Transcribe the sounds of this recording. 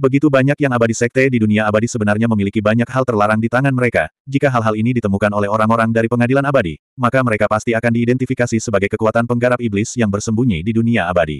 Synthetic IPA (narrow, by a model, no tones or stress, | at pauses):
bəɡit̪ubaɲakjaŋabadisɛk̚t̪ɛdiduniaabadisəbənarɲaməmilikibaɲak̚halt̪ərlaɾaŋdit̪aŋanməɾeka̰d͡ʒikaɦalɦalinidit̪əmukanolɛhoɾaŋoɾaŋdaɾipəŋadilanabadḭ | makaməɾekapast̪iakandiːdɛnt̪ifikasisəbaɡajkəkuat̪anpəŋɡaɾapiblɪsjaŋbərsəmbuɲḭdiduniaabadḭ